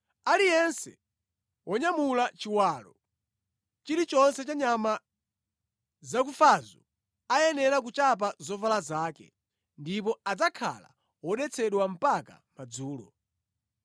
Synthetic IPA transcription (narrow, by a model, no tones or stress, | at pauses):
alijɛnsɛ̰ | wʔɔɲamulat͡ʃiwaːlɔ | t͡ʃiɾit͡ʃɔnsɛt͡ʃaɲama | zak̬ufazɔ | ajɛnɛɾak̬ut͡ʃap̬azɔvalazaːkɛ̰ | ndip̬ɔad͡zakʰa̰la̰ | wɔɗɛt͡sʰɛɗwam̩paka̰mad͡zuːlɔ̰